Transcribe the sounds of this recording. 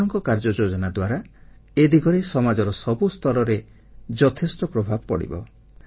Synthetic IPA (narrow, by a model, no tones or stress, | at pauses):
ɔŋkɔkaɾd͡ʒɔd͡ʒod͡ʒɔnad̪waɾa | ed̪iɡɔɾesɔmad͡ʒɔɾɔsɔbust̪ʰɔɾɔɾe | d͡ʒɔt̪ʰesʈɔpɾɔbʱabɔpɔ̰ɽḭbɔ̰